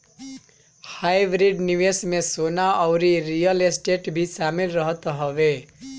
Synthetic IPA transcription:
hajbɾiɖniwesmesonaʌwɾiɾijʌlesʈeʈbʱisamilrʌɦʌt̪oɦʌbe

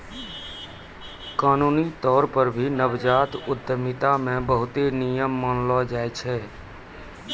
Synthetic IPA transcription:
kaːnuːnit̪ɔːɾpəɾbʱinəbd͡ʒaːt̪ʊd̪əmɪt̪amẽbəɦʊt̪enijəmːənlɔd͡ʒaːɛt͡ʃʰɛː

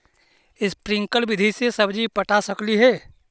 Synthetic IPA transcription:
ɪspɾɪ̃ŋkəlbɪd̪ʱisesəbd͡ʒipəʈasəkliɦɛː

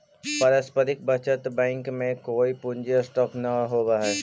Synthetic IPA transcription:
pɐɾəspəɾɪk̚bʱɐt͡ʃət̪bɛ̃ːŋkmẽkoːipʊ̃ɲd͡ʒesʈɔːpʰnaɦoːbaɦɛː

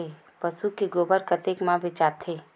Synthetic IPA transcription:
e | pəsukiɡoːbəɾkət̪eːkmãbʱɪt͡ʃaːt̪ʰːeː

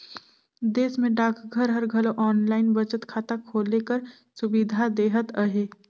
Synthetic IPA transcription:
d̪eːsmẽɖaːkʰɡʱəɾɦəɾɡʱəloʔɔːnlaːɪnbət͡ʃət̪kʰaːt̪akʰoːlekəɾ | sʊbid̪ʱad̪eːɦət̪əɦeː

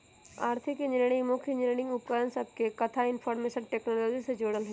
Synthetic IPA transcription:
aːɾt̪ʰɪkenɪɽ̃ɪ̃mʊkʰjəɲɪɾɽ̃ɪ̃ŋɡʊpkəɾənsɐb̚kekɐt̪ʰaɪnpʰɔːɾmeːʃənʈeːknoːloːd͡ʒised͡ʒoːɽəlɦɛ

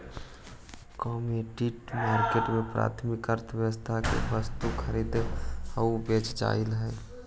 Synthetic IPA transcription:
kɔːmeʈiʈmaːɾkeʈmẽpɾa̰ːt̪ʰmɪkəɾt̪ʰəʋjəəst̪ʰakḛʋəst̪ukʰəɾiːd̪həubet͡ʃd͡ʒa̰ːɪlɦɛ̃

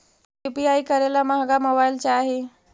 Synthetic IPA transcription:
jupiajkəɾelamaɦaɡaməbajlt͡ɕaːɦe

